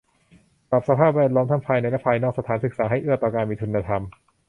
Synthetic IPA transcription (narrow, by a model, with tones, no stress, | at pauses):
pɾa˨˩p̚sa˧pʰaː˥˩p̬̚wɛː˥˩t̪̚lɔː˦˥mt̪ʰa˥˩pʰaː˧jna˧jlɛ˦˥˩pʰaː˧jnɔ˥˩ksa˧t̪ʰaː˩˦nsɯ˨˩k̚saː˩˦ɦa˥˩jʔɯ˥˩ət̪ɔː˨˩kaː˧nmiː˧t̪ʰu˧nːaː˧t̪ʰa˧m